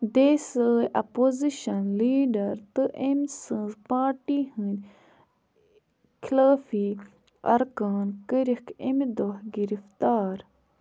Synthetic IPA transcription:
d̪eːsəːjʔɐpoziʃɐnliːɖɐɾt̪ɨʔemsə̃zpaːʈihɨ̃nʲ | kʰilaːfi | ɐ̰ɾkaːnkəɾikemd̪ohɡiɾift̪aːɾ

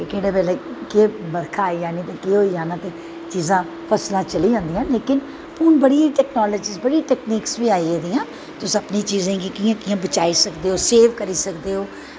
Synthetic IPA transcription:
kekeːɽeːbɛːleːkeːbəɾkʰaːid͡ʒaːniːt̪ẽːkeɦoːiːãːnãːt̪eː | t͡ʃiːzãː | pʰəslãːt͡ʃəliːd͡ʒãːnd̪iːãːleːkɪn | pʊːnbəɽiʈɛːknɔːləd͡ʒiːsbəɽiːʈɛːkniːksʋiːaːiːeːd̪iːãː | t̪ʊsːəpniːt͡ʃiːzãːɡikiːãːkiːãːbət͡ʃaːiːsəkd̪eːɦoːseːʋkəɾiːsəkd̪eːoː

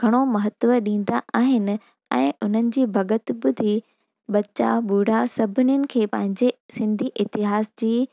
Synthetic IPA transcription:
ɡʱɐɽ̃omɐɦət̪ʋəɗĩːn̆d̪aaːɦɪnɪ̆ | ɛ̰̃ːʊn̤ənɪ̆d͡ʑiːbʱɐɡət̪ɓʊd̪ʱi | ɓɐt͡ɕa̰ɓuːɽ̤asɐbʱɪnʊnɪ̆kʰeːpɐ̃ɦɪ̃ɲd͡ʑesɪ̃nd̪ʱiʔɪt̪ɪɦaːsd͡ʑiː

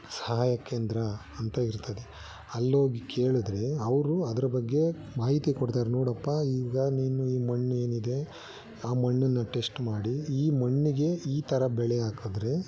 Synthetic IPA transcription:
sɐɦaːjɐkːeːnd̪ɾɐ | ɐnt̪ɐiɾt̪ɐd̪e | ɐlːɦoːɡike̞ːɭud̪ɾe̞ɐʋɾuɐd̪ɐɾɐbɐɡːe̞ | maːɦit̪ikoɽt̪aːɾenoːɽɐpːaːiːɡɐniːnuiːmɐɳːue̞ːnid̪e̞ | aːmɐɳːɐnːɐʈe̞sʈmaːɽiiːmɐɳːiɡe̞iːt̪ʰɐɾɐbɛɭeaːkud̪ɾe̞

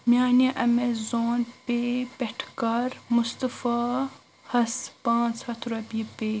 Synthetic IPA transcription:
mjaːnaʔɐmezoːnpepʲeʈʰkɐɾmʊst̪əfaː | hɐspãːnt͡shɐt̪ʰɾɐbipeː

